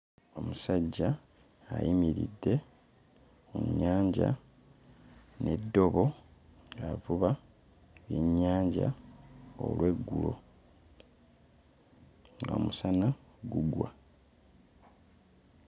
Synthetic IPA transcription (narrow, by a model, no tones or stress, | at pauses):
o̞musaɟːaː | jimiɾḭdːe̞ | muɲːaːɲɟa̰ | ne̞dːo̞βo̞ | avuβa | βjeɲːaːɲɟa̰ | o̰lwe̞ɡːulo̞̰ | ŋɡo̰musanaɡuɡwa̰